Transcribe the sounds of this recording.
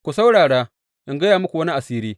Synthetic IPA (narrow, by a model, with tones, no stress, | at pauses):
kʷu˨sa˦wɽaː˨ɽaː˦ | ʔɪ˦ŋɡɐ˦jaː˨mʊ˦kʷu˨wɐ˦ni˦ʔa˨siː˦ɾiː˦